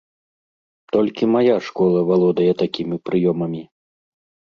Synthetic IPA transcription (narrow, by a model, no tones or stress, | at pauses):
t̪ɔlʲkʲimajaʂkɔlˠɐvalˠɔd̪ɐjɛt̪akʲimʲipɾɨjɔmɐmʲi